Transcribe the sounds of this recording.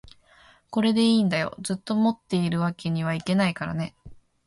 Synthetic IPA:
ko̞ɾe̞d̪e̞iːnd̪ajo̞̰zɨt̪ːo̞mo̞t̪ːe̞iɾɯ̟βake̞ɲ̟iβ̞aike̞naikaɾa̰ne̞

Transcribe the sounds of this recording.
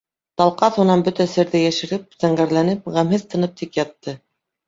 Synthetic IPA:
t̪ɑlˠqɑθunɑnbɵt̪æsɘ̆ɾðɘjæʃɘ̆ɾɘp̚zæɴɢæɾlænɘp̚ʁæmhɘðt̪ɤ̆nɤp̚t̪ikjɑt̪ːɤ

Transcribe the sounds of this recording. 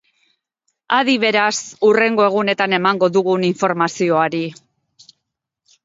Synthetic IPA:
aðiβ̞e̞ɾasure̞ŋɡo̞e̞ɣ̞une̞t̪ane̞maŋɡo̞ðuɣuniɱfo̞ɾmasio̞aɾi

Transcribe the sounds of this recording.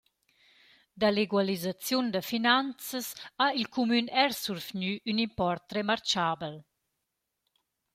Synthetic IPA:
d̪aleɡwalizat͡sjund̪əfinant͡səsailkʰumynɛɾsuɾfɲyʔynimpɔrt̪ɾemaɾt͡ʃaːbəl

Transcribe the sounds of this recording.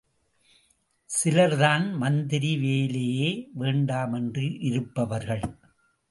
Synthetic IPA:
sɪlɐɾðaːnmɐnd̪ɪɾiʋeːlejeːʋeːɳɖaːmɛndrɯʔɪɾɯpːɐʋɐɾɣɐɭ

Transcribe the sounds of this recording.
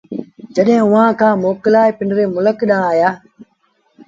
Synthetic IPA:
d͡ʒəɗɦɪ̃ːʊʋ̤ãːkʰãːmoːkɪlaːepɪɳɾeːmʊləkɗãːaːjaː

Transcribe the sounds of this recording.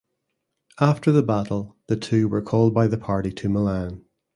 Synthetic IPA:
aftə˞ðəbaʔl̩ˠðətʰʉːwə˞kʰɔlˠd̚baɪðəpʰaɹʔitʰəməlãn

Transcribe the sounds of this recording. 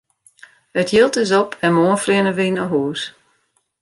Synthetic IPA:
ətʰjɪlˠtɪs̬ɔpʰɛnmoənfrɪənəʋinəɦuːs

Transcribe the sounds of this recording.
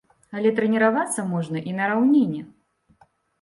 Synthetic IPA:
ɐlʲɛt̪ɾɛnʲɛɾavat̪sːɐmɔʐnɐʔinɐɾawnʲenʲːɛ

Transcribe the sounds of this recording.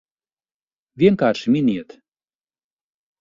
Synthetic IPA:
vʲieŋkaʃmʲinʲiet̪

